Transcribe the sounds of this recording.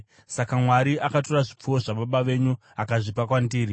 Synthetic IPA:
sakamwaɾiʔakato̞raʐip͡fuo̞ʐaɓaɓaʋe̞ɲu | akaʐipakwandiːɾi

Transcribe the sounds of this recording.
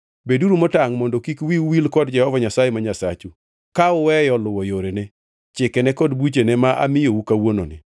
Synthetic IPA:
beduɾumɔtaŋmɔndɔkikwiwilkɔdd͡ʒɛhɔvaɲasajemaɲasat͡ʃu | kaʊwɛjɔlʊwɔjoɾene | t͡ʃɪkɛnɛkɔdbut͡ʃenɛmaʔa̰mɪjowukawono̰nɪ

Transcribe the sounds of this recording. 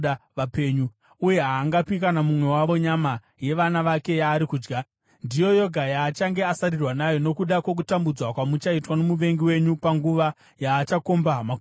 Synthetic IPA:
aʋape̞ɲu | uje̞ɦaːŋɡapikanamumwe̞waʋo̞ɲama | je̞ʋanaʋake̞jaːɾikuːd͡ʒɡa | ndijo̞jo̞ɡʱajaːt͡ʃaŋɡe̞asarirwanajo̞no̞kuɗakwo̞k̬utambud͡zwakwamut͡ʃaitwanomuʋe̞ŋɡiwe̞ɲupaŋɡuʋa | jaːt͡ʃako̞mbaɦma

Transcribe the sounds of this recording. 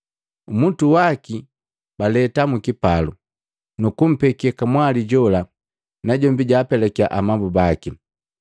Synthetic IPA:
umutuwaki | balɛtamukipalu | nukum̩pɛkɛkamwaliɟɔla | naɟɔmbiɟaːpɛlɛkiaʔamambubaki

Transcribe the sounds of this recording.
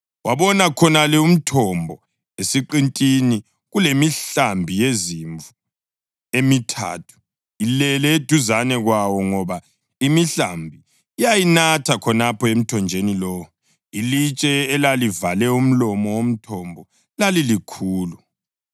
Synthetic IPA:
waβɔnakʰɔnalɛum̩tʰɔmbʱɔ | esiǃintʼini | ɣulemiɬambʱijeziɱvu | emitʰa̰ːtʰu̥ | ilɛlɛed̥ʱuzanɛɣwawɔŋɔβa | imiɬambʱiː | jajinatʰakʰɔnapʰɔem̩tʰɔnd͡ʒʱenilɔ | ilit͡ʃʼɛːlalivalɛum̩lɔmɔwom̩tʰɔmbʱɔ | lalilikʰuːlu

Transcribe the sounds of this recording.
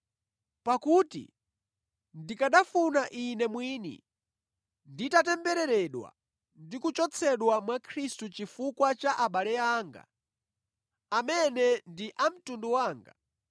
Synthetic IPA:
pakutḭ | ndikaɗafunaʔinɛmwiːnḭ | nditatɛmbɛɾɛɾɛɗwa̰ | ndikut͡ʃɔt͡sʰɛɗwamwakʰɾistut͡ʃifukwat͡ʃaʔaɓalɛaːŋɡa̰ | amɛnɛndiʔam̩tunduwaːŋɡa̰

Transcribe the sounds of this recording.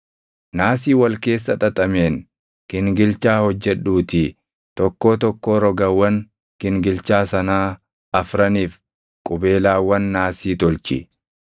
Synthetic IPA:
naːsiːwɐlke̞ːs̬ːɐt̪ʼɐt̪ʼɐmeːn | kɪŋɡɪlt͡ʃaːhɔd͡ʒːɛᶑuːt̪ɪ | t̪ɔkːo̞ːt̪ɔkːoːɾɔɡɐwːɐn | kɪŋɡɪlt͡ʃaːsɐnaː | ɐfɾɐniːf | kʼʊbe̞ːlaːwːɐnːaːsiːt̪ɔlt͡ʃɪ̰

